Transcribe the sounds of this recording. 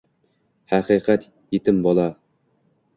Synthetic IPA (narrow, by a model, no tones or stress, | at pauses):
hæqiqæt̪ | jit̪ɘmbɒlˠɑ